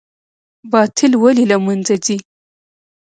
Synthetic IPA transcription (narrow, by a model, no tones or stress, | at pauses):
bɑt̪ʰɪlwalilamanzazi